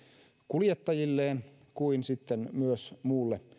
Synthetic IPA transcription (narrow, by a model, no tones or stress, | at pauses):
kuljet̪ːɑjilːeːn | kuinsit̪ːenmyøsmuːlːe